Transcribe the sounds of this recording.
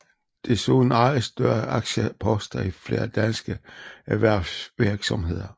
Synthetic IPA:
d̥e̝so̰ːnɑɪsd̥ɶɐɑ̈ɡ̥ɕəpʰɒ̽sd̥ɐifle̝̰ːɐd̥ænsɡ̥əæʋæɐ̰sʋiɐɡ̥sɒ̽mɦe̝ð̰ˠɐ

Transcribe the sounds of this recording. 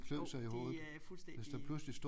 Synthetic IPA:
kʰlø̰sɑ̈ɪiho̰ːð̩ | ʋe̝sd̥æpʰlusəlisd̥o

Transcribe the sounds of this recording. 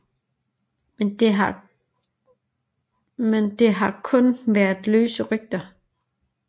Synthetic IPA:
mend̥eɦ | mend̥e̝ɦɑ̈kʰɔ̽nʋæɐðˠløːsəʁyɡ̥̚d̥ɐ

